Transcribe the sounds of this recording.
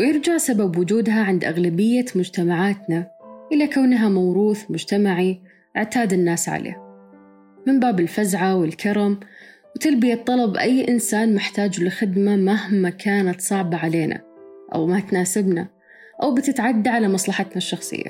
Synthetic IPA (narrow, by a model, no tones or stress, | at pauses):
wjɪɾd͡ʒaʕsababwʊd͡ʒuːd̪ɦaʕɪnd̪ʔaɣlabɪjːamʊd͡ʒt̪amaʕaːt̪naʔɪlakawnɦamawɾuːθmʊd͡ʒt̪amaʕi | ʔɪʕt̪aːd̪ɪnːaːsʕa̰lḛː | mɪmbaːbɪlfazʕawɪlkʰɑɾˤɑm | wt̪albɪjat̪ˤːɑlɑbʔajːʔɪnsaːnmɪħt̪aːd͡ʒlɪxɪd̪mamahmakʰaːnat̪sˤɑʕbɑʕaleːna̰ | ʔa̰wmat̪naːsɪbna̰ | ʔawbt̪ɪt̪ʕad̪ːaʕalamɑsˤlɑħɑt̪naʃːɑxsˤɨ̰jːa̰